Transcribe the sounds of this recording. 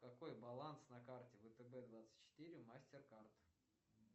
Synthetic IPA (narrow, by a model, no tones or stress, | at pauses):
kɐko̞jbɐlˠansnɐkartʲɪvət̪əbɛd̪vat̪sɨ̥tʲt͡ɕːɪ̥t̪ɨɾʲɪʊmasʲtʲɪrkart̪